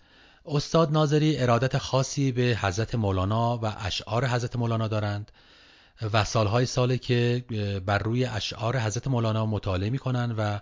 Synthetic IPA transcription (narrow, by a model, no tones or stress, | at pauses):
ʔo̞st̪ɒːd̪nɒːze̞ɾiːʔe̞ɾɒːd̪æt̪ʰexɒːsiːbe̞hæzɾæt̪ʰemoːlɒːnɒːvæʔæʃʔɒːɾe̞ɦæzɾæt̪e̞molɒːnɒːd̪ɒːɾænd̪̥ | væsɒːlɦɒːjesɒːlecʰebæɾːuːjeʔæʃʔɒːɾe̞ɦæzɾæt̪emoːlɒːnɒːmot̪ʰɒːleemiːkʰo̞nænd̪væ